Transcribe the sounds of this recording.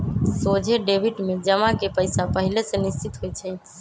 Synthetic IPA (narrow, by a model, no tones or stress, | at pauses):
sod͡ʒʱeɖebʱiʈmed͡ʒəmakepəjsapəɦilesẽnist͡ʃit̪ɦojt͡ʃʰɛ